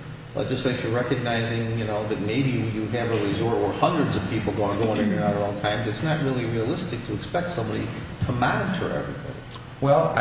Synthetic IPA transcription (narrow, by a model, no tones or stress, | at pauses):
ə̰d̥ʒ̥ʌstˡlaɪkjə˞ɹɛkɨɡ̚naɪzɪ̃ŋjɨnoʊðɨt̚meɪbijɨɨvəɹɨzɔɹɾə˞hʌ̃ndɹɨdzʌv̥pʰipl̩ˠɡoʊ̃nɡoʊə̃nɪ̃nɨ̃naəlɔ̃ʊ̃ŋtʰãɪ̃mbʌɨtsnɨt̚ɹɪlˠiɹiəlɪstɨk̚tʰɨːkspɛk̚tsʌ̃mbɑɾḭɾʰəmænɨd͡ʒ̥ə̰˞ʔɛ̰vɹḭbɑ̰ɾḭ | wɛlˠ